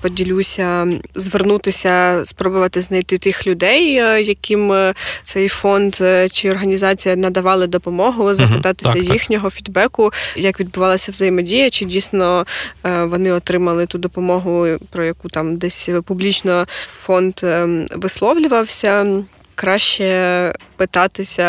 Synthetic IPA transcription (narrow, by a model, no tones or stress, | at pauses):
pɔdʲilʲusʲɐzʋernut̪ɪsʲɐspɾɔbɔʋɐt̪ɪznɐjt̪ɪt̪ɪxlʲʊd̪ɛjjɐkʲimt̪sɛjfɔnd̪t͡ʃɪɔrɦɐnʲizɑt͡sʲijɐnɐd̪ɐʋɑlˠɪd̪ɔpɔmɔɦʊzɐxɪt̪ɑt̪ɪ̥sʲɐjixnʲɔɦɔfʲid̪bɛkʊjɐkʋʲid̪̚bʊʋɑlˠɐsʲɐwzɐjɪmɔdʲijɐt͡ʃɪdʲijsnɔ | ʋɔnɪɔt̪ɾɪmɐlˠɪt̪ud̪ɔpɔmɔɦʊpɾɔjɐkut̪ɑmd̪ɛsʲpublʲit͡ʃnɔfɔnd̪ʋɪslˠɔʋlʲʊʋɐwsʲɐ | kɾɑʃt͡ʃɛpɪt̪ɑt̪ɪsʲɐ